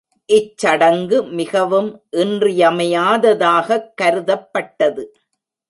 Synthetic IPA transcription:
ʔɪt͡ʃːɐɽɐŋɡɯmɪɣɐʋɯmʔɪndrɪjɐmɐjaːðɐðaːɣɐkːɐɾɯðɐpːɐʈːɐðɯ

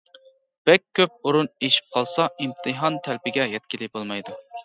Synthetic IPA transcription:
b̥ɛkʲʰːøp̚uɾuneʃi̥p̚qʰɑlˠsɑimt̪ʰɨɦɑnt̪ʰɛlpɪɡʲɛjɛt̪̚kʲilɪkʲbolˠmɑjd̪u

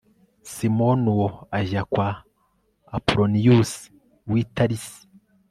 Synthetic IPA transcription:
simonuwoaʒakwaː | puɾonijusi̥ | wiːtaɾisi̥

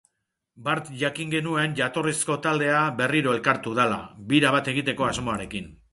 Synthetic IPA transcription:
baɾt̪ʝakiŋɡe̞nue̞nʝat̪o̞risko̞t̪ald̪e̞aβe̞riɾo̞e̞lkaɾt̪uð̞ala̰biɾaβat̪e̞ɣ̞it̪e̞ko̞azmo̞aɾe̞kin

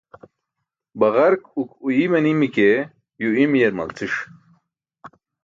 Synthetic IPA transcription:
bɐʁɐɾkukujimɐnimike | juimijeɾmɐ̰lt͡sʰiʂ

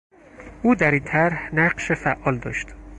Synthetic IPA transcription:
ʔuːd̪æɾiːnt̪ʰæɾhnæɢʃefæʔːɒːld̪ɒ̰ːʃt̪

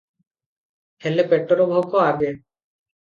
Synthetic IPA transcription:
helepeʈɔɾɔbʱɔkɔaɡe

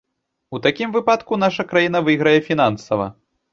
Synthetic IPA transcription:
ut̪akʲimvɨpat̪kunaʂɐkɾajin̪ɐvɨɣɾɐjɛfʲinansɐvɐ̰

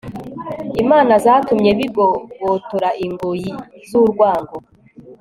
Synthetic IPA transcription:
imaːnazaːtumɲe̞βib̚ɡowotuɾaʔiŋɡujiz̥uɾɡwaːŋɡo

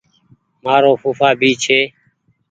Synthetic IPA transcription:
maːɾoːfuːfaːbiːt͡ʃʰeː

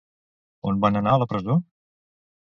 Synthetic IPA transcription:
onbanənaələpɾəzo

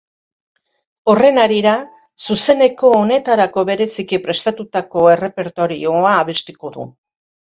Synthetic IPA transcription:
o̞re̞naɾiɾa | suse̞ne̞ko̞ːne̞t̪aɾako̞βe̞ɾe̞sikipɾe̞st̪at̪ut̪ako̞e̞re̞pe̞ɾt̪o̞ɾio̞aːβe̞st̪iko̞ðṵ

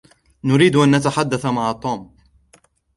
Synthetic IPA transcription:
nʊɾiːd̪ʔanːat̪aħad̪ːaθmaʕat̪ˤuːm

